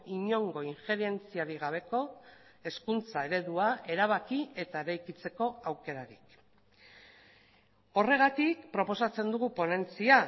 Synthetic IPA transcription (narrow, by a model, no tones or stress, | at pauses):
iɲo̞ŋɡo̞iŋxe̞ɾe̞nt͡siaɾiɣ̞aβ̞e̞ko̞e̞skunt͡sae̞ɾe̞ðuaʔe̞ɾaβ̞akie̞t̪ae̞ɾajkit͡se̞ko̞awke̞ɾaɾik | o̞re̞ɣ̞at̪ik̚pɾo̞po̞sat͡se̞nd̪uɣ̞upo̞ne̞nt͡sia